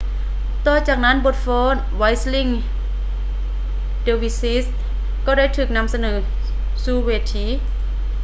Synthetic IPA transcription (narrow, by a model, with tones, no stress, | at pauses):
t̪ɔː˧˩t͡ɕaː˨˩k̚na˦˥˨nbo˧˥˩t̪̚fɔː˧˥˨n | wa˧˥jsli˧˨ŋ | de˧wi˧si˦˥s | kɔː˧˩da˥˨jt̪ʰɯː˨˩k̚na˧˥˨msa˧nɤː˩˦ | suː˧˩weː˧˩t̪ʰiː˧˥˨